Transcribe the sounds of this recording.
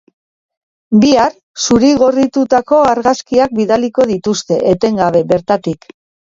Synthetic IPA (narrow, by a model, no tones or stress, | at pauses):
biar | suɾiɣo̞rit̪ut̪ako̞aɾɣaskiak̚biðaliko̞ðit̪ust̪e̞ʔet̪e̞ŋɡaβ̞e̞βe̞ɾt̪at̪ik